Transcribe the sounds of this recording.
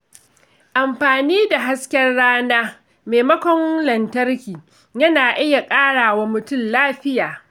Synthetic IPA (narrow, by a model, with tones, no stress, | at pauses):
ʔa˨mɸaː˨niː˦da˨ɦa˦skʲɛ˦rɽaː˦naː˦ | meː˨mɐ˦kʷɔ˦ŋlɐ˨ntɐ˦rkʲiː˨ | jɐ˦naː˨ʔɪ˦ja˨kʼaː˦ɽaː˨wa˦mʊ˨tʊ˦˨mlaː˦ɸɪ˦jaː˨